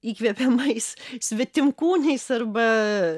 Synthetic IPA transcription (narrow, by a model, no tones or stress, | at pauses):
iːkʋʲiɛpʲɛmɐɪssʲʋʲɛt̪ʲɪmkuːnʲɛɪsɐrbɐ